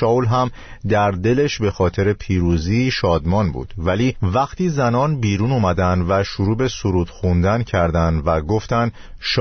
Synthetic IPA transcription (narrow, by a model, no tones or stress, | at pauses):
ɒːulɦæm | d̪æɾd̪e̞le̞ʃbe̞xɒːt̪ʰe̞ɾe̞pʰiːɾuːziːʃɒːd̪mɒːnbṵːd̪̥væliːvæχt̪ʰiːzænɒːnbiːɾuːnumæd̪ænd̪væʃoɾuːbe̞soɾuːd̪̥xund̪æncʰæɾd̪ænd̪væɡo̞ft̪æn | ʃ